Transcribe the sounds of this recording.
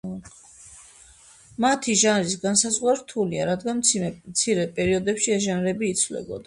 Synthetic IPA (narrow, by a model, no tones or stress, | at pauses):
mat̪ʰiʒanɾisɡansazʁwaɾt̪ʰuliaɾad̪ɡanmt̪sʰiɾɛpʼɛɾiɔd̪ɛpʃiɛʒanɾɛbiːt̪sʰvlɛ̰bɔ̰d̪a